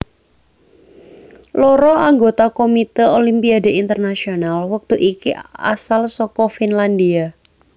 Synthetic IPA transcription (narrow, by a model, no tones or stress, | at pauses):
lɔɾɔʔaŋɡot̪akomit̪ɛolimpiadeint̪ərnasionalwək̚t̪uʔikia̰salsɔkɔfinlandia